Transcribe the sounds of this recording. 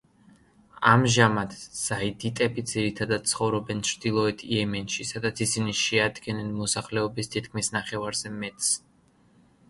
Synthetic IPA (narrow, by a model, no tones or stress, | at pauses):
amʒamat̪z̥aid̪it̪ʼɛbid̪d̪z̥iɾit̪ʰad̪ad̪̥̚t̪sʰχɔvɾɔbɛnt͡ʃʰɾd̪̥ilˠɔɛt̪ʰiɛmɛnʃisad̪at̪sʰisiniʃɛad̪ɡɛnɛnmɔsaχlɛɔbist̪ʰit̪kʰmisnaχɛvaɾz̥ɛmɛt̪ʼs